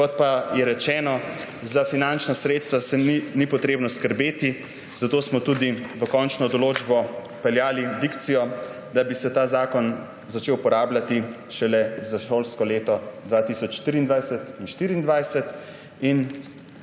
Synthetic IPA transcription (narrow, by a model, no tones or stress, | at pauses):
kɔt̪̚pajɛɾɛt͡ʃɛːnɔ | zafinant͡ʃnasɾeːt̪st̪ʋasɛinipɔt̪ɾeːbnɔskəɾbeːt̪i | z̥at̪oːsmɔt̪ud̪iʋəkɔnt͡ʃnɔd̪ɔloːd͡ʒbɔ | pɛljaːlid̪ikt̪sijɔ | d̪abisɛt̪aːzaːkɔn | zat͡ʃeːwpɔɾaːblʲat̪i | ʃɛlɛzaʃolskɔleːt̪ɔd̪ʋat̪isɔt͡ʃʃt̪ɾiːnd̪ʋajsɛt̪inʃt̪iːɾiːnd̪ʋajsɛt̪ | in